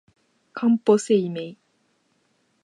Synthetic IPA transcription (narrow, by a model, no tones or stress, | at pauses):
kʰãmposeimej